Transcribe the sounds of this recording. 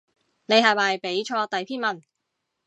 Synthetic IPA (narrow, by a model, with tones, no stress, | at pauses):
ne˨˧jhɐː˨˩maː˨jpe˨˥jt͡ʃʰɔː˧t̪ɐ˨jpʰiː˥nmɐ˨˩n